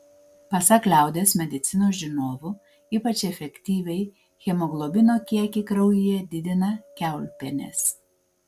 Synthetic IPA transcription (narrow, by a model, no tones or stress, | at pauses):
pɐsɐklʲæˑʊd̪ʲesmʲɛd̪ʲɪt̪sʲɪnoːsʒʲɪnoːʋʊ | iːpɐt͡ʃʲɛfʲɛkʲt̪ʲiːʋʲɛɪ | xʲɛmoɡlˠobʲɪnoːkʲiɛkʲɪkɾɒʊjʊjɛd̪ʲɪd̪ʲɪnɐkʲæˑʊlʲpʲɛnʲḛs